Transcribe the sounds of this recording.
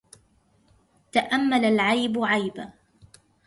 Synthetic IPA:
t̪aʔamːalalʕajbʕajba

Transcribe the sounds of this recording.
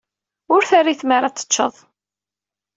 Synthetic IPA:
ʊɾθarːiθmaɾat͡sːə̥t͡ʃːəðˤ

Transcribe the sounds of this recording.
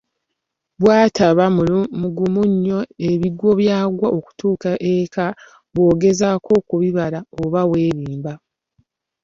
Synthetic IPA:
βwaːtʰaβamuɡumuɲːo̞e̞βiɡwo̞βjaːɡwaʔoku̥tuːkaʔeka | βwo̞ːɡe̞zaːkʰo̞kuβiβalaoβawe̞ːβiːmba

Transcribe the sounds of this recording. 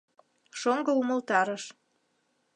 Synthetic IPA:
ʃoŋɡɤumə̆lt̪ɑɾəʃ

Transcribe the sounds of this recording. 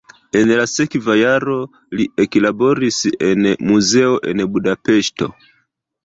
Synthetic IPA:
ɛnɛlasɛkivajaɾɔ | liɛkilabɔɾisiʔɛnɛmuzɛɔʔɛnɛbudapɛstɔ̰

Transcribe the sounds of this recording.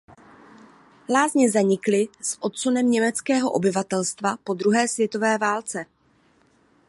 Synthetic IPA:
laːzɲɛzaɲɪklɪsʔo̞t̪sunɛmɲɛmɛt͡skɛːɦo̞ʔo̞bɪvat̪ɛlst̪vapo̞d̪ɾuɦɛːsvjɛt̪o̞vɛːvaːlt͡sɛ

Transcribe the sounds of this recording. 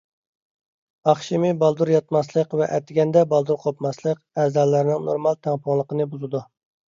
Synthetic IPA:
ɑχʃimɪbɑlˠd̪uɾjɑt̪mɑslˠəqvɛʔɛt̪ʰɪɡʲɛnd̪ɛbɑlˠd̪uɾqʰopmɑslˠəq | æzd̪ɑlːæɾɪnɪŋno̰ɾmɑlˠt̪ʰæŋpʰʊŋlˠəqənɨbuzɨd̪u

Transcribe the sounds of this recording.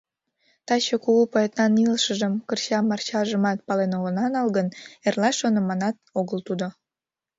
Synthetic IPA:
t̪ɑt͡ɕokuɣupoet̪nɑnilʃəʒəmkərt͡ɕɑmɑrt͡ɕɑʒəmɑt̪̚pɑlenoɣənɑnɑlɣənerlɑʃonəmɑnɑt̪̚oɣəlt̪ud̪o

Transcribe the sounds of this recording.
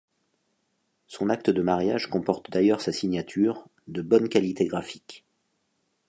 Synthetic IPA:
sɔ̃nak̚t̪əd̪əmaʁjaʒkɔ̃pɔʁt̪d̪ajœʁsasiɲjat̪ʰyʁ | d̪əbɔnkʲalit̪eɡʁafi̥k

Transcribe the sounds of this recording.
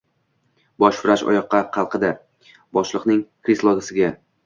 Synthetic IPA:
bɒʃvɪɾaʃɒ̰jɒqʰːɑqʰɑlˠqʰɨd̪a | bɒʃlˠɨqnɪŋkɾislˠɒɡʲasɪɡʲa

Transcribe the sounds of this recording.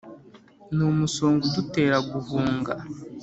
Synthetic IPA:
numusoːŋɡudute̞ːɾaɡuvuːŋɡa

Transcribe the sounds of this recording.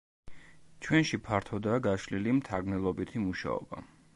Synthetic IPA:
t͡ʃʰwɛnʃipʰaɾt̪ʰɔd̪aːɡaʃlilimt̪ʰaɾɡmnɛlˠɔbit̪ʰimuʃa̰ɔ̰ba̰

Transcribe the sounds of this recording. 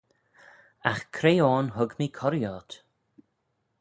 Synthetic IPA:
axkʰɾeːɔːnɦʊɡmikʰɔɾjɔːt̪

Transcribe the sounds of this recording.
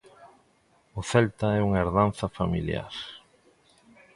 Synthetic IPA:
ʊθɛlt̪aɛuŋeɾðan̟θɐfamilja̰ɾ

